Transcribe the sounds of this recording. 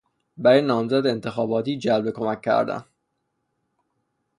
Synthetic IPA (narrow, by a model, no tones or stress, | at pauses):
bæɾenːɒːmzæd̪ent̪ʰe̞xɒːbɒːt̪iːd͡ʒælbe̞kʰomækʰːæ̰ɾd̪æ̰n